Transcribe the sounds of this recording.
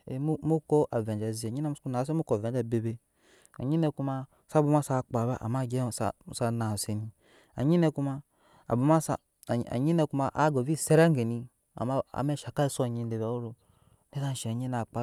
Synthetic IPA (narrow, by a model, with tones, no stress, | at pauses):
e˨mu˦mu˦ko˦ʔa˨ve˨d͡ʒa˨zi˨e˨ɲi˦na˦mu˦u˦na˨s̬e˦u˦ko˨ve˨n˦d͡ʒa˦˨be˨be˦ | a̰˨ɲi˦ne˧ku˦ma˧˨ | sa˦bu˨ma˦sa˦˨k͡pa˨ba˦ʔa̰˨ma˦˨ɡe˦˨sa̰˨sa˦na˨se˨ni˨ | a̰˨ɲi˦ne˦ku˦ma˦˧ | a̰˨bu˨ma˦sa˨ | a̰˨ɲi˦ne˨˧ku˦ma˨ʔa̰˦ɡo˨vi˦˨se˦ɾa˦ŋɡe˨ni˧ | a̰˨ma˦a̰˨me˦˨ʃa˨ka˦i˦sa˨ɲi˧˦n˦de˨ba˨o˦ɾo˨ | ne˦da˦n˨ʃe˨ɲi˦na˨k͡pa˦